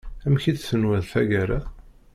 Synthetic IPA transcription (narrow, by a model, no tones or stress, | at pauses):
æmçid̪sənwæðθæɡæɾæ